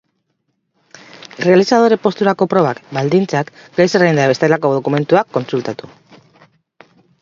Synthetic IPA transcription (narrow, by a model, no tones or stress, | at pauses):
re̞alisað̞o̞ɾe̞po̞st̪uɾako̞pɾo̞βakbald̪int͡sakɡajserend̪aβe̞st̪elako̞ðo̞kume̞nt̪uakːo̞nsult̪at̪u